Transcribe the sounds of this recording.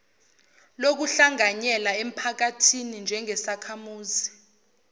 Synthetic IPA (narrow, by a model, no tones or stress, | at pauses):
lok̬uɬaŋaɲɛlaem̩pʰak̬atʰinind͡ʒʱɛŋɛsakʰamuːzi